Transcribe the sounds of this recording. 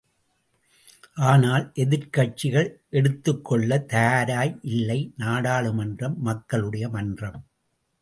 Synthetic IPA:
ʔaːnaːlʔɛðɪɾkɐʈ̚t͡ʃɪɣɐɭʔɛɽɯt̪ːɯkːɔɭːɐt̪ɐjaːɾaːjʔɪlːɐɪnaːɽaːɭɯmɐndrɐmːɐkːɐɭɯɽɐjɐmɐndrɐm

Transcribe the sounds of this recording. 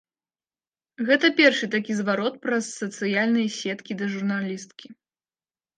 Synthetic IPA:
ɣɛt̪ɐpʲɛrʂɨt̪akʲizvaɾɔt̪̚pɾɐsːɐt̪sɨjalʲnɨjɐsʲɛt̪kʲid̪ɐʐurnalʲist̪kʲi

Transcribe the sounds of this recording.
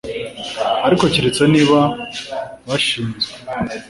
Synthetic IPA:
aɾiko̞ciɾit͡soniːβa | βaʃiːnzɡwe

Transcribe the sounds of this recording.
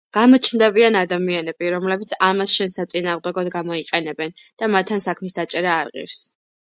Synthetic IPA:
ɡ̥amɔt͡ʃʰnd̪ɛbianad̪amianɛbiɾɔmlɛbit̪sʰamasʃɛnsat̪sʼinaːʁd̪ɛɡɔd̪ɡamɔiqʼɛnɛbɛn | d̪̥amat̪ʰːansakʰmisd̪at͡ʃʼɛɾaːɾʁḭɾs

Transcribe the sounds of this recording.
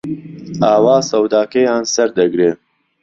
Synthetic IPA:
aːwaːsɐwd̪aːkɛjaːnsɐɾd̪ɐɡɾeː

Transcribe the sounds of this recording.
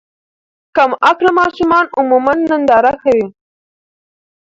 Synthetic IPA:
kamaklamɑʃumɑnʊmumanːənd̪ɑɾaxawi

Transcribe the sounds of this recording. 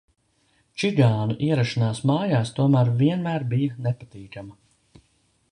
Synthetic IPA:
t͡ʃiɡaːnuʔiɛɾaʃinaːsmaːjaːst̪uɔmæːɾviɛnmæːɾbijɐnepat̪iːkamɐ

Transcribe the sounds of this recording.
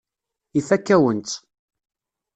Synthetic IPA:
ifækːæwənt̪

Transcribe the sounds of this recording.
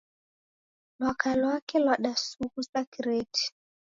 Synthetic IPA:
lwakalwakɛlwaɗasukusakiɾetʰi̥

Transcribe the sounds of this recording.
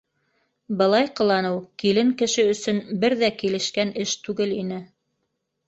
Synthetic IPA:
bɤ̆lˠɑjqɤ̆lˠɑnɤwkilɘŋkɘ̆ʃɘɵ̆sɵnbɘɾðækilɘ̆ʃkænɘʃt̪ʉɡɘlinɘ

